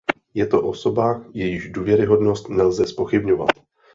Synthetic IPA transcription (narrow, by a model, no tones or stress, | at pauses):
jɛt̪o̞ʔo̞so̞bajɛjɪʒduːvjɛɾɪɦo̞dno̞st̪nɛlzɛspo̞xɪbɲo̞va̰t̪